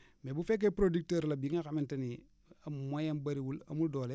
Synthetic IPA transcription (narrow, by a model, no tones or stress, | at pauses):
mebufek̬epɾodik̚teɾlabiŋakamintɐni | amojambɐɾiwulɐ̰muldoːle